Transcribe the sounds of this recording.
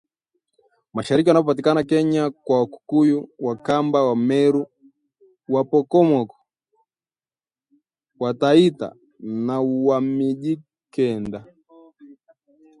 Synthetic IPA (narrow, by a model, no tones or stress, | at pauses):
maʃaɾik̬iwanapɔpat̬ikanakɛɲakwawaku̥kujuwakambawamɛɾu | wapɔkɔmɔkɔ̥ | wataita̰ | nauwamiʄi | kɛnda